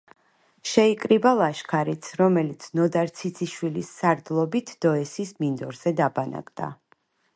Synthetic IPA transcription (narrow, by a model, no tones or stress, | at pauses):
ʃɛikʼɾibalˠaʃkʰaɾit̪sʰɾɔmɛlit̪sʰnɔd̪aɾt̪sʰit̪sʰiʃwilisːaɾd̪lˠɔbit̪ʰd̪̥ɔɛsismind̪ɔɾzɛd̪abana̰kʼd̪̥a̰